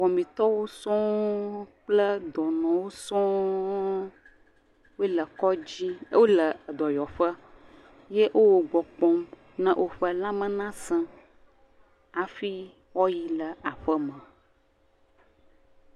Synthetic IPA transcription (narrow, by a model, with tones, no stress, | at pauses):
wɔ˨mĩ˨t̪ɔ˦wo˦sɔ̃˦ | k͡plə˦d̪ɔ˨nɔ̃˨wo˦sɔ̃˦ | wo˦lə˨kɔ˦d͡ʑi˦wo˦lə˨d̪ɔ˨jɔ˨ɸə˦ | je˦ʔo˦wo˨ɡ͡bɔ˨k͡pɔ̃˦m | nə̃˦ʔo˦ɸə˦lã˦mə̃˦nã˦sə̃˦ | a˨fi˦ | wɔ˦ji˨lə˨a˨ɸə˦mə̃˨